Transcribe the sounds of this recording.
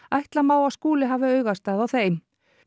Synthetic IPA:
ajht̪lamaːwaskuːlɪɦaːvɪœːɥɣast̪aːðawθeːjn

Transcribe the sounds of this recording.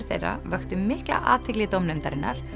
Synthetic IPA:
ɾ̥θḛjra̰vœxt̪ʏmɪhkla̰ʔa̰ːt̪ʰɪklɪt̪owmnœmt̪aɾɪnːa̰ɾ̥

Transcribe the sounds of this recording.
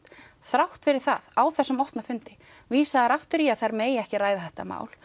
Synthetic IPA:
θɾawht̪fɪɾɪɾ̥θaðaːwθɛsːʏmɔht̪nafʏnt̪ɪ | viːsaðɾaft̪ʏɾiaθaɾmeːjɛhcɪraːjðaθɛht̪ama̰ːwl̥

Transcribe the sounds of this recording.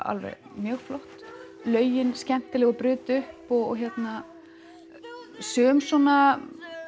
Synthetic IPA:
a̰lvɛ̰ɣ | mjœːɣflɔht̪ | lœːɥjɪnscɛn̥t̪ɪlɛɣɔpɾʏːt̪ʏhpɔɣɔ̰ɣçɛt̪na | sœːmsɔna

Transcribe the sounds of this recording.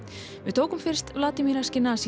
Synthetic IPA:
vɪðt̪ʰoːwkʏmfɪɾ̥st̪vlaːt̪ɪmiɾascɪnasi

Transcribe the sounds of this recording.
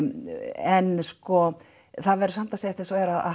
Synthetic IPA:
ɛnskɔ | θaðvɛɾʏsam̥t̪aseːjast̪ɛsɛɾaða̰

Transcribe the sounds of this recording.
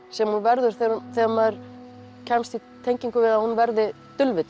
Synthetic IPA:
sɛmhunvɛɾðʏɾ̥θɛθɛmaɾ̥ | cʰɛmst̪i | t̪ʰejɲciŋkʏvɪðahunvɛɾðɪ | t̪ʏlvɪt̪

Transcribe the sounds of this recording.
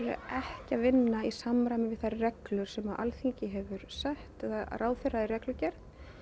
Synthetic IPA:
ɾʏ̰ʔɛhcɪaðvɪnːaisamɾajmɪvɪðθarrɛklʏɾ̥sɛmaʔa̰lθiɲcɪɦɛvʏɾsaht̪ɛðaraːwfɪraðiɾɛklʏcɛɾð

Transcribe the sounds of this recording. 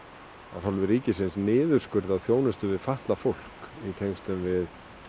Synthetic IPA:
a̰ðfalvɪɾiːcɪsɪnsnɪːðʏɾ̥skʏɾðaðθjoːwnɪst̪ʏvɪðfaht̪lafowl̥kit̪ʰejŋst̪ʏmvɪð

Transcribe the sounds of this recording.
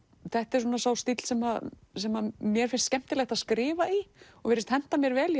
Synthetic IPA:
θɛht̪ɛɾ̥suːnasaːwst̪it̪l̥sɛmaðsɛmamjɛɾ̥fɪnst̪cɛm̥t̪ɪlɛxt̪aðskɾɪːvaiɔvɛːɾɪst̪hɛn̥t̪amjɛɾvɛːlj

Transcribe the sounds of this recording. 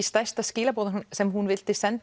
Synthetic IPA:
ist̪ajrst̪ascɪːlapowðɪnʏnsɛmhunvɪl̥t̪ɪsɛnt̪

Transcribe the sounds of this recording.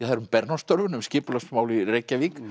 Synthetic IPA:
θaðɾʏmpɛɾnɔ̥st̪œɾvʏnʏmscɪːpʏlasmaːwlireːjcavik

